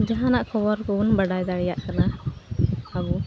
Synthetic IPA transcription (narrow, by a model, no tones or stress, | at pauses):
d͡ʒaɦanaʔkɔbɔɾkɔunbəɖajd̪aɽijaʔkana | abɔ